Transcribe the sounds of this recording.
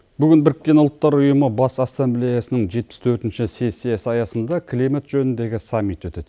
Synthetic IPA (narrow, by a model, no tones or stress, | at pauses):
bʏɡʲɪnbɪɾɪkʲːe̞nʊlˠt̪ːɑɾʊjəməbɑsɑsːemblʲejɑsənɪɴʒe̞t̪̚pɪ̥st̪ʰɵɾt̪ɪnʃɪseseesɑjɑsənd̪ɑkʲʰlimet̪ʒɵnɪnd̪e̞ɡʲɪsɑmːit̪wɵt̪e̞d̪